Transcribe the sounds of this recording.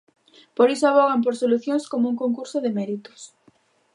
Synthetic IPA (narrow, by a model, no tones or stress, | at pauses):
poɾisʊaβɔɣamp̬oɾsoluθjõŋskomouŋkoŋkuɾsoðɪmɛɾit̪ʊ̥s